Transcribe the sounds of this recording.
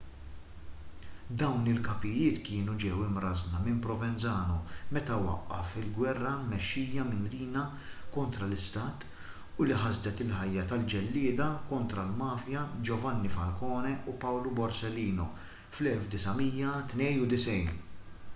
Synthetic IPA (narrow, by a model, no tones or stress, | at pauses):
d̪ɐwnɪlkɐpɪjɪːt̪kɪːnud͡ʒɛwɪmɾɐznɐmɪmpɾɔvɛnt͡sɐːnɔmɛt̪ɐwɐ̰ʔːɐ̰fɪlɡwɛrːɐmɛʃːiːɐmɪnɾiːnɐ | kɔnt̪ɾɐlɪst̪ɐːt̪ | ʊliħɐzd̪ɛt̪ɪlħɐjːɐt̪ɐld͡ʒɛlːɪːd̪ɐkɔnt̪ɾɐlmɐːfjɐd͡ʒɔvɐnːifɐlkɔːnɛʔupɐwlubɔɾsɛlːiːnɔ | flɛlfd̪ɪsɐmiːjːɐt̪nɛjnud̪ɪsɛjn